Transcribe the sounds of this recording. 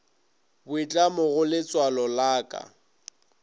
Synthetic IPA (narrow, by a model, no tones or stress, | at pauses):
bʊit͡ɬʼamʊɣʊlɪt͡sʼwalɔlaːkʼa̰